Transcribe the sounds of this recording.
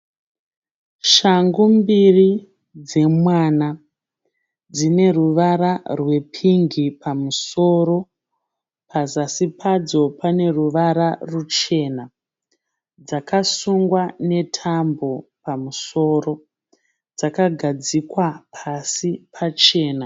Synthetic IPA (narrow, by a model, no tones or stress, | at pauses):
ʃaŋɡumbiri | d͡ze̞mwaːna | d͡zine̞ruʋaɾarwe̞pʰiŋɡipʰamuso̞ːɾo̞ | pʰazasipʰad͡zo̞pane̞ruʋaɾarut͡ʃe̞na | d͡zakasuŋɡwane̞tʰambo̞pamuso̞ːɾo̞ | d͡zakaɡʱad͡zikwapʰasipʰat͡ʃe̞ːna